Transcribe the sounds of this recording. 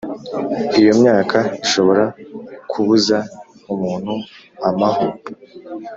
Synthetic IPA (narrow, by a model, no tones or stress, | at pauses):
ijo̞mɲaːkʰaiʃo̞βo̞ɾakʰuβuza | umuːn̥hu | amaho